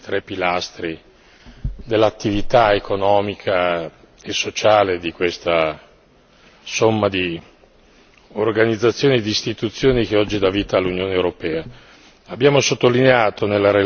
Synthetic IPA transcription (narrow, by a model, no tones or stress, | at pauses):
t̪ɾɛpːilast̪ɾi | d̪elːat̪ːivit̪aekonɔːmikʰa | esːot͡ʃaːled̪ikwest̪a | somːad̪i | orɡanid̪zːat̪sːjoːnid̪iːst̪it̪ut̪sːjoːnik̟eɔd͡ʒːid̪aviːt̪aːlːunjoːneewɾopɛːa | abːjaːmosot̪ːolineaːt̪ʰonelːaɾe